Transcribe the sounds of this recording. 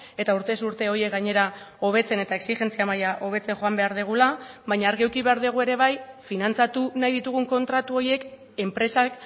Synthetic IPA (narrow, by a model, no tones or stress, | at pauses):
e̞t̪auɾt̪e̞suɾt̪e̞o̞je̞k̚ɡaɲe̞ɾao̞β̞e̞t͡se̞ne̞t̪aeksiʝe̞nt͡siamajaʔo̞β̞e̞t͡seŋxo̞ambe̞aɾðeɣ̞ulaβaɲaːɾɣewkiβe̞aɾðeɣue̞ɾe̞β̞ajfinant͡sat̪unajðit̪uɣ̞uŋko̞nt̪ɾat̪uo̞ɾje̞k | e̞mpɾe̞sak